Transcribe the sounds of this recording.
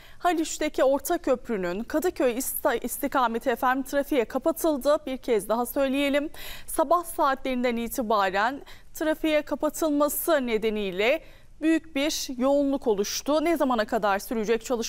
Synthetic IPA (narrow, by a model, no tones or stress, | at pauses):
halʲyt͡ʃt̪ʰecʰio̞ɾt̪ʰacʰø̞pɾynynkʰad̪ɯcʰø̞jist̪ʰikaːme̞t̪ʰiefæɾmt̪ʰɾafijɛkʰapat̪ʰɯlˠd̪ɯbiɾcʰɛzd̪aɦasø̞jlʲije̞lʲimsabahsaːt̪ʰlʲe̞ɾind̪æniːt̪ʰibaːɾænt̪ʰɾafejɛkʰapat̪ʰɯlˠmasɯne̞d̪e̞nijlʲɛ | byjycbiɾjo̞unlˠuko̞lˠuʃt̪ʊnɛzamanakʰad̪aɾsyɾyd͡ʒɛc̚t͡ʃʰalˠɯʃ